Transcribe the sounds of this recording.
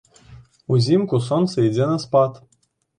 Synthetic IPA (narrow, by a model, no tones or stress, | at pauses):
uzʲimkus̬onsɨjd͡zʲenɤ̆spɑt̪